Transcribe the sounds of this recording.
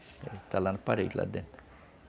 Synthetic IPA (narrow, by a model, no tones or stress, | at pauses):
et̪ælːɑnpɑrḭklɑ̰d̪en